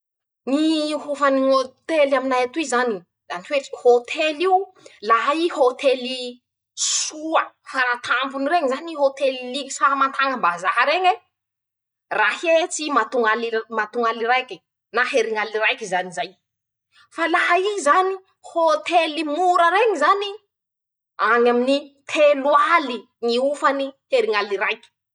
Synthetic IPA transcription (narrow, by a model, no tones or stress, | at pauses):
niɦufaniot̪elaminajat̪uizani | zanifeʈ͡ʂi̥hot̪ʰeliulaɦaihot̪ʰeli | suəfaɾat̪ʰambunireŋzaniɦot̪eliliki̥samant̪aŋəmbazaɦaɾeŋe | rahet͡simat̪uŋalimat̪uŋalirajki | naɦeɾiŋalirajkizanizaj | falaɦaizani | hot̪elimuɾəɾeŋizani | aɲaminit̪ʰeluali | ŋiufaniheɾiŋalirajki̥